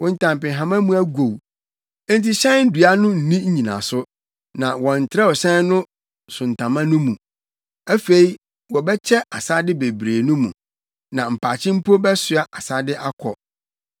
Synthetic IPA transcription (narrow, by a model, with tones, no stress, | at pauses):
wɔ̃˨n̩˨tʰã˨mpɪ̃˨ɦã˨mã˦mũ˦æ˦ɡo˨w | n̩˦t̬i˦ɕɛ̃˦n̩˦du˨a˦nʊ̃˦n̩˨nĩ˦ɲ̩˦ɲĩ˨nã̰˨sʊ˦ | nã˨wɔ̃˨n̩˨tʰɪ˨ɾɛ˦ɔ˨ɕɛ̃˦n˦nʊ̃˦ | sʊ̃˨n˨tʰã˨mã˦nʊ̃˦mũ˨ | æ˦fe˨i˦ | wɔ˨bɛ˦t͡ɕʰɛ˦ʔa˨sa˦dɪ˦be˨bɾeː˨nʊ̃˦mṵ̃˨ | nã˨m̩˨pʰaː˨t͡ɕʰɪ̃˦m̩˦pʰo˦bɛ˦sɥa˦ʔa˨sa˦dɪ˦ʔa˦kʰɔ̰˨